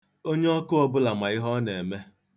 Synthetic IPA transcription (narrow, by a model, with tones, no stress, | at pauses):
o˦ɲe˦ɔ˦kʊ˦ɔ˦bʊ˦la˨ma˨ɪ˦ɦɔ˦ne˨me˦